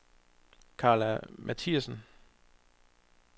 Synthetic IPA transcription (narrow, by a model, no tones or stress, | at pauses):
kʰɑ̈ːlæmʔæt͡sʰiæsn